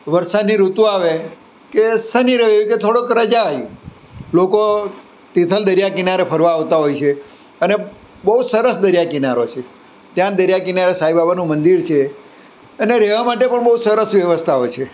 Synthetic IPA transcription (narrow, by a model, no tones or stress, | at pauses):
ʋəɾsad̪niɾut̪uaʋe | kesəniɾəʋejuket̪ʰoɽokɾəd͡ʒaj | loko | t̪it̪ʰəld̪əɾjakinaɾepʰəɾʋaːʋt̪aɦojt͡ʃʰe | əne | bəɦusəɾəsd̪əɾijakinaɾot͡ʃʰe | t̪jãd̪əɾjakinaɾesaibabanũmənd̪iɾt͡ʃʰe | əneɾɛʋamaʈepəɳbəɦusəɾəsʋjəʋəst̪ʰaot͡ʃʰe